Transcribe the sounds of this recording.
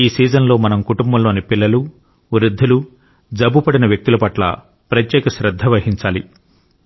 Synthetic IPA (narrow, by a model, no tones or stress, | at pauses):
iːsiːd͡ʒɐnlo̞ːmɐnɐmkuʈumbɐmlo̞ːnipilːɐlu | ɾud̪ʱːɐlu | d͡ʒɐbupɐɽinɐʋjɐk̚t̪ulɐpɐʈlɐ̰ | pɾɐt̪jɛːkɐʃɾɐd̪ʱːɐʋɐhiɲt͡ʃaːli